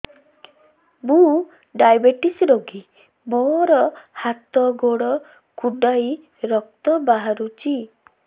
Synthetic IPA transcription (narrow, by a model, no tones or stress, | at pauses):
mũ | ɖajbeʈisɾoɡi | moɾɔhat̪ɔɡoɽɔ | kuɖaj | ɾɔk̚t̪ɔbaɦaɾut͡ʃi